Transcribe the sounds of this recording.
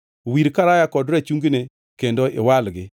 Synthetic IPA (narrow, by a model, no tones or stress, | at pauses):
wiɾkaɾajakɔdɾɛt͡ʃuŋɡne | kendoʔɪ̰walɡɪ